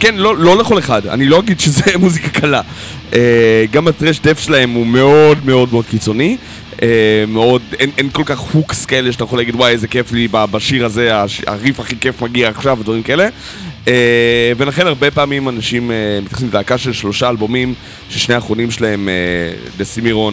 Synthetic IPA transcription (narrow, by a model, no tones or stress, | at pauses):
kenlo̞lo̞leχo̞le̞χada̰nilo̞aɡidʃezemuzikḁkʰala | eɡamat̪ʁeʃdefʃelahe̞mume̞o̞dme̞o̞dmeo̞d̪kit͡so̞ni | ʔemeo̞denʔenko̞lkaχhukskaeleʃatajeolaɡidwajzekeflibabaʃiʁaze̞aʃa̰ʁifaχike̞fmaɡiaːχʃaved̪vaʁimkae̞le̞ | evelaχe̞naʁbepaːmimanaʃimemit̪jaχsimdaːkaʃelʃlo̞ʃaːlbo̞mim | ʃeʃneaːχonimʃelae̞mḛlesimiʁo̞n